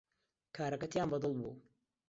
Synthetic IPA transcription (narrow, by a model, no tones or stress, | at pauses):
kʰaːɾɐkɐt̪ʰjaːnbɐd̪ɨlˠbṵː